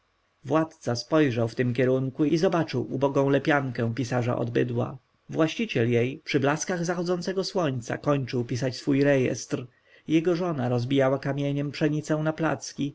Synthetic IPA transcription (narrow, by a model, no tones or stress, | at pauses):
vwat̪t̪saspɔjʐawft̪ɘmk̬ʲɛɾuŋkuizɔbat͡ʂɘwubɔɡɔ̃w̃lɛpʲjaŋkɛ̃w̃pʲisaʐa̰ʔɔ̰d̪bɘ̰d̪wa̰ | vwaɕt͡ɕit͡ɕɛljejpʂɘblaskaɣzaxɔd̪zɔnt̪sɛɡɔswɔɲt̪sa̰kɔɲt͡ʂɘwpʲisat͡ɕsfujɾɛjɛ̰st̪ɾ | jɛɡɔʐɔnaɾɔzbʲijawakamʲjeɲɛmpʂɛɲit̪sɛw̃napla̰t̪skʲi